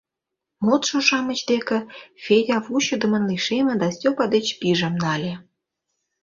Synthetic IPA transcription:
mot̪ʃŏʃɑmə̆t͡ɕd̪ekĕfʲedʲɑvuɕud̪ə̆mə̆nliʃemʲĕd̪ɑsʲtʲopɑd̪et͡ɕpiʒĕmnɑlʲĕ

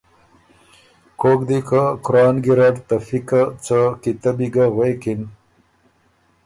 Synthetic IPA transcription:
koːkd̪ikakʊɾɑːnɡiɾaʈt̪ɐfikat͡sakit̪ɐbiɡaɣwejkin

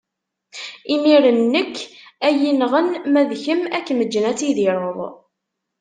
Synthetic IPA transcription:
imiɾənːəkːæjinʁənmæðçəmækːməd͡ʒːnæt͡siðiɾˤoðˤ

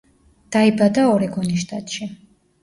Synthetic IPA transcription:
d̪̥aibad̪aɔɾɛɡɔniʃt̪ʼat̪ʃi

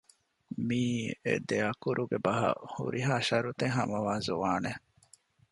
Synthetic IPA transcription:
miːḛd̪eɐkuɾʔuɡebɐɦɐ̰hṵɾiɦaːʃɐɾut̪eŋɦɐmɐʋaːzuʋaːne

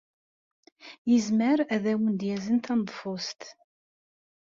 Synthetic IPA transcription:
jəzməɾæðæwənd̪jæzənt̪ænðˤfost̪

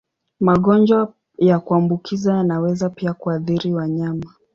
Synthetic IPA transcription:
maɠɔnd͡ʒwa | jakuambukʰizajanawɛzapiakuaðiɾiwaɲama

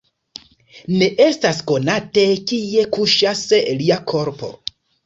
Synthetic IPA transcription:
ne̞ʔe̞stasko̞natekie̞kuʃasliakʰo̞ɾpo̞̰

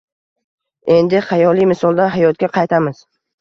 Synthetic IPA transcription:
e̞nd̪ɪχɑjɒlˠijmɪsɒlˠd̪anɦajɒt̪̚ɡʲaqʰɑjt̪ʰamɪz̥

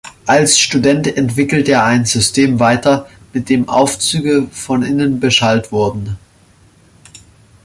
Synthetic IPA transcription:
ʔalsʃtudɛntɛntv̥ɪkl̩təeːɐaɪnzʏstʰeːmvaɪtɐ | mɪt̚d̥eːmʔa̰ʊft͡syːɡəfɔnɪnənbəʃaltv̥ʊɐdn̩

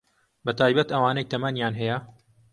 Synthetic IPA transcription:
bɐt̪ʰaːjbɐt̪ɐwaːnejt̪ʰɐmɐnjaːnɦɛjɐ

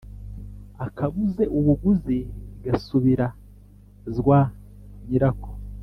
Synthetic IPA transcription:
akʰaβuze̞ʔuβuɡuziɡasuβiɾa | zɡwa | ɲiɾako̥

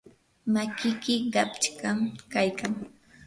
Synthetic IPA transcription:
makɪkɪɢɑpt͡ʃkamkajkaŋ

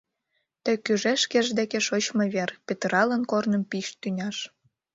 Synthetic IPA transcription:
t̪ĕkyʒeʃkeʒd̪ekeʃot͡ɕmɤβerpʲet̪rɑlənkornəmpiʃt̪ynʲɑʃ

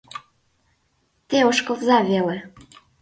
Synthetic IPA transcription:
t̪eoʃkɤ̆vzɑvelĕ

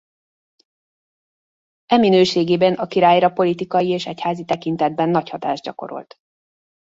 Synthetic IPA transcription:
ɛminøːʃeːɡeːbɛnʔɒkiɾaːjɾɒpo̞lit̪ikɒjieːʃɛchaːzit̪ɛkint̪ɛd̪̚bɛnːɒchɒt̪a̰ːʒdɟɒ̰ko̞̰ɾo̞̰lt̪

